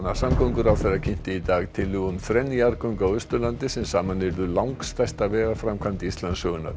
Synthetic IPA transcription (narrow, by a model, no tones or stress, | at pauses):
nasamkowŋkʏɾawθɛɾacʰɪn̥t̪ɪit̪aːɣt̪ʰɪlːʏɣʏmθɾɛnjaɾkɔŋkawʏst̪ʏlant̪ɪsɛmsaːmanvɪɾðʏlawŋkst̪ajst̪avɛːɣafɾamkʰant̪ɪist̪lansœɣʏna̰